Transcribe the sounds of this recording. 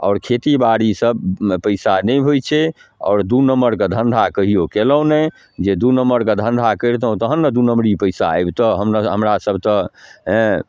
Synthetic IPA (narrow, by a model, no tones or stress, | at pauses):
ɔ̰ːɾkʰet̪ibaɽisəb̚pəɪsanɛjbʱojt͡ʃʰɛɔ̰ːɾd̪unəmːəɾkəd̪ʱənd̪ʱakəɦijokelə̃nɛ | d͡ʒed̪unəmːəɾkəd̪ʱə̃nd̪ʱakəjɾt̪əɦũt̪əɦənːəd̪unəmɽipəɪsa̰ajbt̪ɔɦəmnɦəmɾasəbʱt̪ɔɦɛ̃